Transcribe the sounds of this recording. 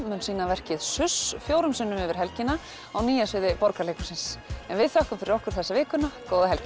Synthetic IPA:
mʏnsiːnavɛr̥cɪðsʏsfjoːwɾʏmsʏnːʏmʏːvɪɾ̥ɦɛlcɪna | awniːjasvɪðɪpɔɾkalejkʏ̥sɪnsɛnvɪðθahkʏmfɪɾɪɾɔhkʏɾ̥θɛsːavɪːkʏnakoːwðaɦɛlc

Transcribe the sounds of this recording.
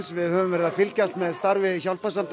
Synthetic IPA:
nsvɪðhœvʏmvɛɾɪðafɪlcast̪mɛðst̪aɾvɪçaw̪pasant̪

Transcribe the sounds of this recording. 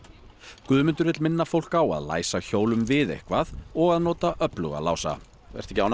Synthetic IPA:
kvʏːðmʏnt̪ʏɾvɪt̪lmɪnːafowl̥kawa̰ðla̰ːjsaçoːwlʏmvɪðḛhkvaðɔɣaðnɔːt̪aʔœplʏɣa̰la̰ːwsa̰ | vɛ̰r̥t̪ɛcɪawn

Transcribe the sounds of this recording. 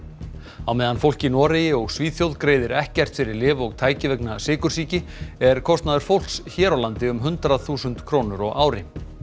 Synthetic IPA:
awmɛːðanfowl̥cɪnɔːɾejɪɔɣsviːθjowðkɾeːjðɪɾɛhcɛr̥t̪fɪɾɪɾlɪːvɔɣt̪ʰaːjcɪvɛknasɪːkʏɾ̥siːcɪɛɾ̥kʰɔst̪naðʏɾ̥fowl̥ksçɛːɾowlant̪ɪʏmɦʏnt̪ɾaðθuːsʏnt̪kʰɾoːnʏɾɔɣaːwɾɪ

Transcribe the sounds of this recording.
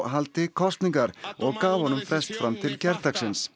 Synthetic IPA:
ɦalt̪ɪkʰɔst̪niŋkaɾɔɣkaːvhɔnːʏmfɾɛst̪fɾamt̪ʰɪlcɛɾt̪aksɪns

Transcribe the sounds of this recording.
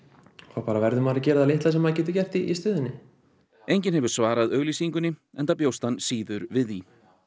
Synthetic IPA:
θawpaːɾavɛɾðʏmaɾɪcɛːɾɪðalejht̪las̬ɛmhaðcɛːht̪ʏɾ̥cɛr̥t̪iist̪ʏːðɪnːɪ | ejɲcɪnhɛvʏɾ̥svaːɾaðœɣlisiŋkʏnːɪɛnt̪apjowst̪ansiːðʏɾvɪði

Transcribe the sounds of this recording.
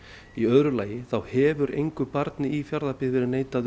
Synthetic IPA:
iœðɾʏlaːjɪθawhɛːvʏɾʔḛjŋkʏpaɾt̪nɪifjaɾðapɪvɪɾɪneːjt̪aðʏ

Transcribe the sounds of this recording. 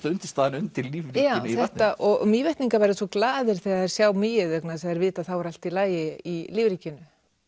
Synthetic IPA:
t̪ʏnt̪ɪ̥ɾst̪aːðɪnʏnt̪ʰɪlliːvɾijawθɛht̪aʔɔɣmiːvɛht̪niŋkaɾvajɾðsɔklaːðɪɾ̥θɛːɣaɛɾ̥sjaːwmiːjɪðœknaðsɛðɛɾvɪːt̪aðθawɛɾal̥t̪ilaːjɪiliːvɾiːcɪnʏ

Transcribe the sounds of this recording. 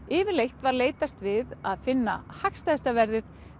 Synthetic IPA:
ɪːvɪɾlejxt̪vaɾleːjt̪ast̪vɪðaðfɪnːa̰hakst̪ast̪avɛɾðɪθ

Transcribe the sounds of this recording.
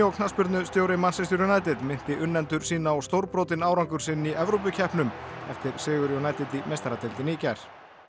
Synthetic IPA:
ɔwkʰnaspʏɾt̪nʏst̪jowɾɪmansɛst̪ʏɾjonajt̪ɪt̪mɪn̥t̪ɪʔʏnːɛnt̪ʏɾ̥siːnaɔɣst̪owɾpɾoːt̪ɪnaːwɾawŋkʏɾ̥sɪnːiʔɛvɾowp̬ʏcʰɛhpnʏmɛft̪ɪɾ̥sɪːɣʏɾjɔwnaːjt̪ɪt̪imejst̪aɾat̪ɪlt̪ɪniːcaɾ̥

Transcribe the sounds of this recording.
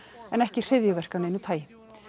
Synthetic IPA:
ɛnɛhcɪr̥ɪðjʏvɛr̥kawneːjnʏt̪ʰaːjɪ

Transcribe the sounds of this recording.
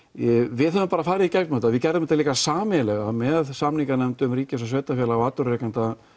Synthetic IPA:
vɪðɦɛvʏmpaːɾafaːɾɪðicɛk̚nmœt̪aðvɪðcɛɾðʏmɛt̪aliːkasaːmɪlɛɣamɛðsamniŋkanɛmt̪ʏmriːcɪsasvɛːt̪afjɛlawaːt̪ʏɾrɛkant̪a

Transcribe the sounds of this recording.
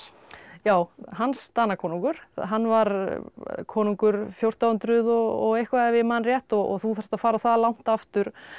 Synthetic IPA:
jaːwɦanst̪aːnakʰɔːnuŋkʏɾ̥ɦanːvaɾ | kʰɔːnuŋkʏɾfjowr̥t̪awʏnt̪ɾʏðɔɔɣejhkvavɪmaːnɾjɛht̪ɔɔ̰ɣθuθɛɾ̥t̪afaːɾaθaðlawn̥t̪aft̪ʏɾ̥

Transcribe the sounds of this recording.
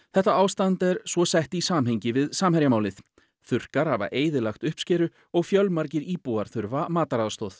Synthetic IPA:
θɛht̪aaːwst̪ant̪ɛɾ̥svɔsɛht̪isaːmɦeɲcɪvɪðsaːmhɛɾjamaːwlɪθ | θʏr̥kaɾ̥hava̰ʔeːjðɪlaxt̪ʏhpscɛːɾʏ | ɔɣfjœlmaɾcɪɾiːpuaɾ̥θʏɾvamaːt̪aɾaːðst̪oːθ

